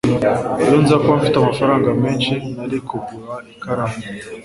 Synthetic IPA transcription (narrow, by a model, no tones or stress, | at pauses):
ajonzakwaɱ̩fitamafaɾaŋɡamɛnt͡ʃenalikobuɾaekaɾami